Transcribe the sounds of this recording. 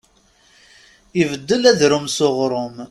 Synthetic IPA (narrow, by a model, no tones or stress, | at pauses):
ivəd̪ːəlæðɾʊmsoʁɾˤʊm